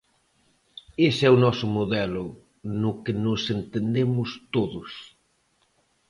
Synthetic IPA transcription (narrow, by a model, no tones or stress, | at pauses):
esɛunɔsʊmoðɛlʊ | nʊkɪnʊsent̪end̪emʊst̪oðʊs